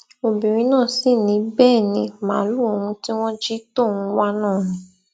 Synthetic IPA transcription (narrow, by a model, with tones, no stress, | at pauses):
o˧bi˨ɾ̃ĩ˧˦nãː˦˨si˦˨nĩ˨˧˦bɛː˦˨nĩ˧mã̰˨˦lu˦o˧wũ˧ti˦w̃ɔ̃˦d͡ʒi˦to˦˨wũ˧wa˦nãː˦˨nĩ˨˦